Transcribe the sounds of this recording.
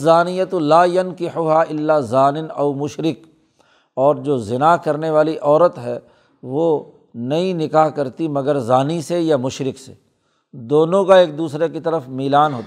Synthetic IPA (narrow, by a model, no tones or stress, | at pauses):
zaːnɪjət̪laːjɐnkɪħʊɦaʔɪlːaːzaːnɪnɐʊmʊʃɾɪk | ɔːɾd͡ʒoːzɪnakɐɾneʋaːliʔɔːɾət̪ɦɛː | ʋo | nɐɦĩnɪkaːɦkɐɾt̪imɐɡəɾzaːnisejamʊʃɾɪksḛ | d̪oːnõkaeːk̚d̪uːsɾekit̪ɐɾəfmiːlaːnɦoːt̪ː